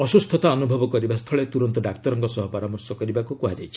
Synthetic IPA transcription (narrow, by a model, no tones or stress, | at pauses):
ɔsust̪ʰɔt̪aɔnubʱɔbɔkɔɾibast̪ʰɔɭet̪uɾɔnt̪ɔɖakt̪ɔɾɔŋkɔsɔɦɔpɔɾamɔɾsɔkɔɾibakukuɦad͡ʒajt͡ʃʰi